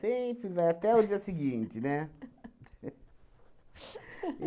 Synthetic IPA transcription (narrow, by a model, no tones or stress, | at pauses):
ẽpɾɪvajat̪ɛʊd͡ʒiɐsɪɡĩt͡ʃɪnɛ